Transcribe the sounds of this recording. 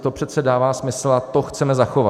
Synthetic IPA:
t̪opr̝ɛt̪sɛdaːvaːsmɪsl̩at̪oxt͡sɛmɛzaxo̞va̰

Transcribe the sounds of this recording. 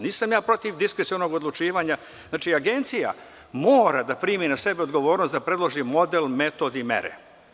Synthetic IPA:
niːsamjaːpɾo̞t̪iʋd̪iskɾesiono̞ɡo̞d̪lˠut͡ʃiːʋaːɲa | znaːt͡ʃiaɡe̞nt̪sija̰ | moːɾad̪apɾiːminase̞beod̪ɡo̞ʋo̞ːɾnost̪d̪apɾe̞d̪lˠoʒimo̞d̪elme̞t̪o̞ːd̪imḛɾḛ

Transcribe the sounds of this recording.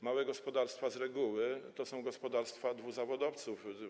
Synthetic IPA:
mawɛɡɔspɔd̪aɾst̪fazɾɛɡuwɘt̪ɔsɔ̃w̃ɡɔspɔd̪aɾst̪fad̪vuzavɔd̪ɔft̪suf

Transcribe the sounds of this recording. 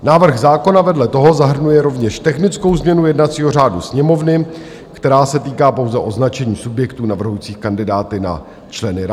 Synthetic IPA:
naːvr̩ɣzaːko̞navɛdlɛt̪o̞ɦo̞zaɦr̩nujɛɾo̞vɲɛʃt̪ɛxnɪt͡sko̞wzmɲɛnujɛdnat͡siːɦo̞r̝aːdusɲɛmo̞vnɪ | kt̪ɛɾaːsɛt̪iːkaːpo̞wzɛʔo̞znat͡ʃɛɲiːsubjɛkt̪uːnavr̩ɦujiːt͡siːxkandɪdaːt̪ɪna̰ | t͡ʃlɛnɪɾa

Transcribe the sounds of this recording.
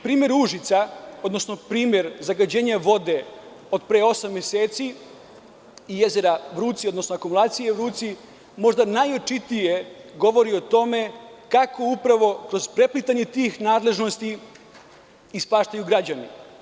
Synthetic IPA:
pɾiːmje̞ɾuʒit̪sao̞d̪no̞sno̞pɾiːmʲje̞ɾzaɡad͡ʑe̞ːɲaʋo̞d̪e̞ | od̪pɾeːo̞samːjeseːt̪si | ije̞ze̞ɾaʋɾuːt̪siod̪no̞snoakumulˠaːt̪sijeʋɾuːt̪si | mo̞ʐd̪anajot͡ʃit̪ije̞ɡo̞ʋo̞ɾiot̪o̞me̞kako̞upɾaʋo̞kɾo̞zpɾe̞plit̪aɲe̞t̪iːxnaːd̪le̞ʒno̞st̪i | spaːʃt̪ajuɡɾad͡ʑanḭ

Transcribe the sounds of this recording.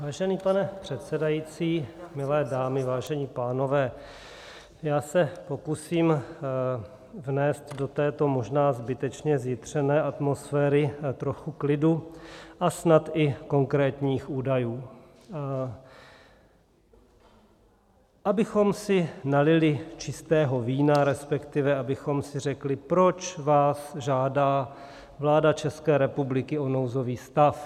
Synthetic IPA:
vaːʒɛniːpanɛpr̥ɛt̪sɛdajit͡siːmɪlɛːdaːmɪvaːʒɛɲiːpaːno̞vɛː | jaːsɛpo̞kusiːm | vnɛːst̪do̞t̪ɛːt̪o̞mo̞ʒnaːzbɪt̪ɛt͡ʃɲɛzjɪt̪r̝̥ɛnɛːʔat̪mo̞sfɛːɾɪt̪ɾo̞xuklɪduʔasnat̪ʔɪko̞ŋkɾɛːt̪ɲiːxʔuːdajuː | ʔabɪxo̞msɪnalɪlɪt͡ʃɪst̪ɛːɦo̞viːnaɾɛspɛkt̪ɪvɛabɪxo̞msɪrɛklɪpɾo̞t͡ʃvaːsʒaːdaː | vlaːdat͡ʃɛskɛːɾɛpublɪkɪo̞nowzo̞viːst̪af

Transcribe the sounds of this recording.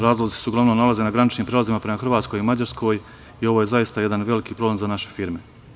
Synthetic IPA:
ɾaːzlˠozt̪i̥seuɡlˠaʋnomnalazenaɡɾanit͡ʃniːmpɾelazimapɾe̞maxr̩ʋaːt̪ko̞jimad͡ʑaɾskʰo̞ːj | io̞ʋoje̞zajist̪aje̞d̪anʋe̞likiːpɾo̞ble̞mzanaʃe̞fiːɾme̞

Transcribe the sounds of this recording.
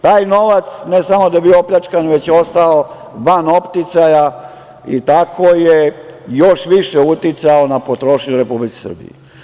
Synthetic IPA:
t̪aːjno̞ʋat̪snesamo̞d̪abiooplʎat͡ʃkanʋe̞t͡ɕjeo̞st̪ao | ʋano̞pt̪it̪saja | it̪akojejo̞ʃʋiʃeut̪it̪saonapo̞t̪ɾo̞ʃɲuɾe̞publike̥sər̩bḭjḛ

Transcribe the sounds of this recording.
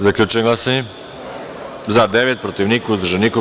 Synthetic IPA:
zaklʲut͡ʃɛlasɛ | zad̪ɛvɛt̪̚pɾot̪ivnikuzd̪ɾʒɛniko

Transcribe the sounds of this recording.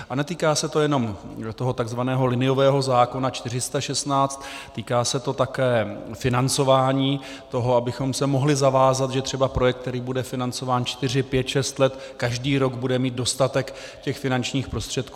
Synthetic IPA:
ʔʔanɛt̪iːkaːsɛt̪o̞jɛno̞mt̪o̞ɦo̞t̪aɡzvanɛːɦo̞lɪnɪjo̞vɛːɦo̞zaːko̞nat͡ʃt̪ɪrɪst̪aʃɛst̪naːt͡st̪ːiːkaːsɛt̪o̞t̪akɛːfɪnant͡so̞vaːɲiː | t̪o̞ɦo̞abɪxo̞msɛmo̞ɦlɪzavaːzat̪ʒɛt̪r̥ɛbapɾojɛk̚t̪ːɛɾiːbudɛfɪnant͡so̞vaːnt͡ʃt̪ɪr̝ɪpjɛt̪ʃɛst̪lɛt̪kaʒdiːɾo̞ɡbudɛmiːt̪̚do̞st̪at̪ɛk | cɛxfɪnant͡ʃɲiːxpɾo̞st̪r̥ɛt̪̚kuː

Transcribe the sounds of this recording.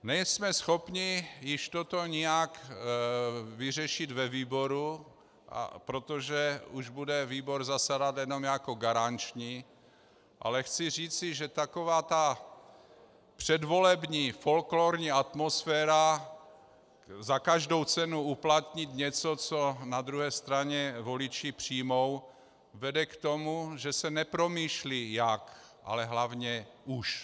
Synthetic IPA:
nɛjsmɛsxo̞pɲɪjɪʃt̪ot̪o̞ɲɪjak | vɪrɛʃɪd̪vɛviːbo̞ɾu | ʔa̰pɾo̞t̪oʒɛuʒbudɛviːbo̞ɾzasadat̪jɛno̞mjakoɡaɾant͡ʃɲi | ʔa̰lɛxt͡sɪr̝iːt͡sɪʒɛt̪ako̞vaːt̪a | pr̝̥ɛdvo̞lɛbɲiːfo̞lkloːɾɲiːat̪mosfɛːɾa | zakaʒdo̞wt͡sɛnuuplat̪ɲit̪ɲɛt͡sot͡sonad̪ɾuɦɛːst̪ɾaɲɛvo̞lɪt͡ʃɪpr̝̥iːmo̞w | vɛdɛkt̪o̞muʒɛsɛnɛpɾo̞miːʃlijak | ʔa̰lɛɦlavɲɛuʃ

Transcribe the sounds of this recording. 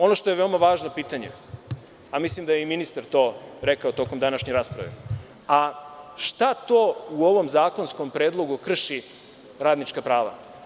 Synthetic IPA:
o̞noʃt̪o̞jeʋe̞omaʋaːʒnopiːt̪aɲe | amislimd̪ajeiminist̪aɾt̪o̞ːɾekaot̪o̞komd̪anaʃɲeɾaspɾa̰ʋḛ | aʃt̪at̪oːuo̞ʋo̞mzaːko̞nsko̞mpɾeːd̪lˠo̞ɡukr̩ʃi | ɾaːd̪nit͡ʃkapɾaːʋa̰

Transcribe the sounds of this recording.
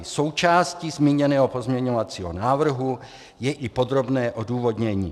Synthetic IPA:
so̞wt͡ʃaːscizmiːɲɛnɛːɦopo̞zmɲɛɲovat͡siːɦo̰naːvr̩ɦu | jɛʔɪpo̞d̪ɾo̞bnɛːʔoduːvodɲɛɲḭː

